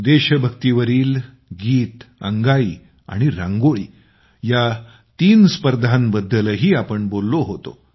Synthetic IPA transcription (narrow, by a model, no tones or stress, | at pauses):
d̪eɕəbʱəkt̪iʋəɾiːl | ɡiːt̪ə̰ŋɡaiː | a̰ɽ̃iɾã̰ŋɡoɭiː | ja | t̪iːnspəɾd̪ʱanbəd̪ʱːələɦiːapəɳbolːoɦot̪o̰